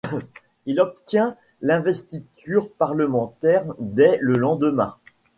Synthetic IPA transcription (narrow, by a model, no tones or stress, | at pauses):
ilɔp̚t̪jɛ̃ | lɛ̃vɛst̪it̪ʰyʁpaʁləmɑ̃t̪ɛʁd̪ɛləlɑ̃d̪əmɛ̰̃